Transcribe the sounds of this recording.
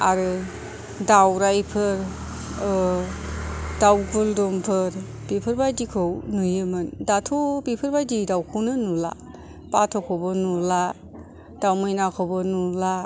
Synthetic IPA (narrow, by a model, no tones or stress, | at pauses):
a̰ɾɯ | dawɾajpʰɯɾ | dawbuldɔmpʰɯɾ | b̥ipʰɯɾbajdikʰɯwnujɯmɯndatʰɔbipʰɯɾbajdidawkʰɯwnɯnula̰ | patʰɔkʰɔbɔnula | d̥awmɯjnakʰɔwbɔnula